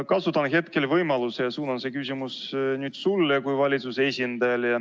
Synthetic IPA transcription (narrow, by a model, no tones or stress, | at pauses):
kɑsut̪ːˑɑnɦe̞t̪ke̞lvɤjmɑlusejɑsuːnɑnse̞kysʲimus | nyːd̪̥sulːekujvɑlʲit̪susesʲind̪̥ɑjɑljɑ